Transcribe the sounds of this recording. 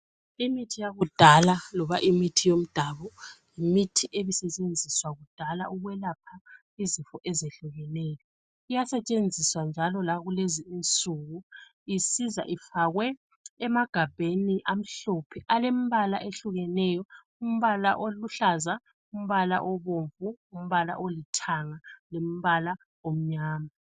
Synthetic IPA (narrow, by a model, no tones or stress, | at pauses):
imitʰijaɣud̥ʱalalɔβa̰ʔimitʰijom̩d̥ʱaβɔjimitʰiʔeβisɛt͡ʃʼend͡zʱiswaɣud̥ʱala̰ʔuɣwɛlapʰa | izifɔʔɛzeɬuɣɛnɛːjɔ | ijasɛt͡ʃʼend͡zʱiswand͡ʒʱalɔlaɣuleziisʼuɣu | isiza̰ʔifaɣwɛ | ɛmaɡ̥ʱab̥ʱeniʔam̩ɬopʰɛʔalem̩βalaʔeɬuɣɛnɛjɔ | um̩βalaʔoluɬaza | um̩βala̰ʔɔβoɱvuːm̩βala̰ʔolitʰaŋalem̩βala | om̩ɲaːma